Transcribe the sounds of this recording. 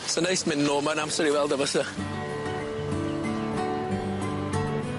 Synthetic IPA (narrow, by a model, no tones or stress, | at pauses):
sənejsmɪnːɔːmənamsəɾiwɛlˠdəvəsə